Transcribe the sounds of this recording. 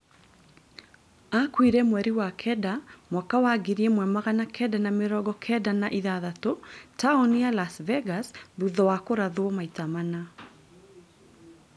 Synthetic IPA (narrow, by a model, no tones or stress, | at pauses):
akwiɾɛmwɛɾiwakʰɛdamwakawaɡiɾiemwɛmaɣanakʰɛdanameɾɔɡɔkʰɛdanaʔiðaðatotaɔnialasvɛɡasðuðɔwakoɾaðwɔmaitamana